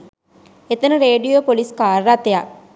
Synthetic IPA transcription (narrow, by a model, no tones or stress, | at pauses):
et̪ənəɾeːɖijopoliskaːɾrat̪ːejak